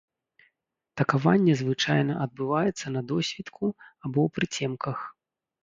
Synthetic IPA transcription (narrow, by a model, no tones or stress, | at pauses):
t̪ɐkava̰nʲːɛzvɨt͡ʂajnɐʔɐd̪̚bɨvajɛt̪sːɐnɐd̪ɔsʲvʲit̪kʰuabɔwpɾɨt͡sʲɛmkʰɐx